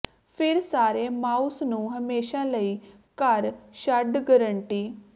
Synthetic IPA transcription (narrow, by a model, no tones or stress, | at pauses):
pʰɪɾsaːɾeːmaːusnũːɦəmeːʃaːləiː | kəɾʃəɖɡəɾəɳʈiː